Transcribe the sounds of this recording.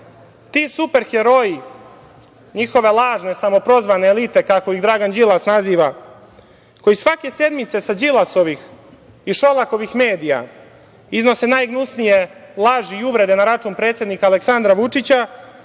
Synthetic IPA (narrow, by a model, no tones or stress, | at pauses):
t̪iːsupe̞ɾxeɾo̞i | ɲixo̞ʋe̞lˠaːʒnesamo̞pɾo̞zʋane̞ːlit̪e̞kako̞iɣd̪ɾaɡand͡ʑilˠasnaziːʋa | ko̞jisʋake̞se̞d̪mit̪se̞sad͡ʑilˠaso̞ʋix | iʃo̞lˠako̞ʋixme̞ːd̪ija̰ | izno̞se̞najɡnusnije̞lˠaʒiːuʋɾe̞d̪e̞naɾat͡ʃuːmpɾe̞ːt̪sjed̪nikaːle̞ksand̪ɾaʋut͡ʂit͡ɕa